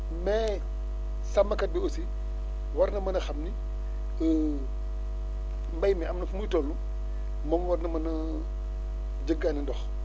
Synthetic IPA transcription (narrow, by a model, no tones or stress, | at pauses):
mɛ | sɐmbɐkɐt̚biosi | wɐɾnɐmɐnɐxɐmni | ə | mbajmɛamnɐfumətolːu | mɔmwaɾnɐmɐnɐ | d͡ʒəɡːanindɔx